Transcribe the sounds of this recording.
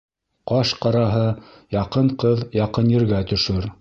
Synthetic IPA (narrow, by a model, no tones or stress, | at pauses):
qɑʃqɑɾɑɦɤ | jɑqɤɴqɤðjɑqɤnjɘ̆ɾɡæt̪ɵ̆ʃɵɾ